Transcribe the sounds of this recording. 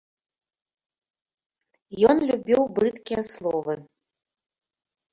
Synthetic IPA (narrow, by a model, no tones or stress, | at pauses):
jɔnlʲubʲiwbɾɨt̪kʲijɐslˠɔvɨ